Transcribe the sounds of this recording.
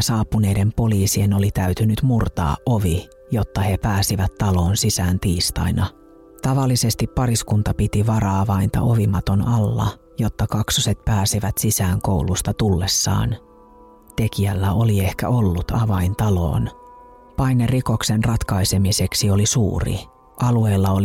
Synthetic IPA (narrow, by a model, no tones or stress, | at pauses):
sɑːpːune̞jde̞mpo̞liːsie̞no̞lit̪æyt̪ynyt̪murt̪ɑ̰ːʔʔo̞ʋi | jo̞t̪ːɑhe̞pæːsiʋæt̪ːɑlo̞ːnsisæːnt̪iːst̪ɑjnɑ | t̪ɑʋɑlːise̞st̪ipːɑɾiskunt̪ɑpit̪iʋɑɾɑɑʋɑint̪ɑ̰ʔo̞ʋimɑt̪o̞nɑlːɑ̰ | jo̞t̪ːɑkɑksuse̞t̪̚pæːsiʋæt̪sisæːŋko̞wlust̪ɑt̪ulːe̞sːɑ̰ːn | t̪e̞kiælːæo̞lie̞hkæ̰o̞lːut̪ɑʋɑjnt̪ɑlo̞̰ːn | pɑjnːeriko̞ksenrɑt̪kɑjse̞mise̞ksio̞lisṵːrḭ | ʔɑlue̞ːlːɑol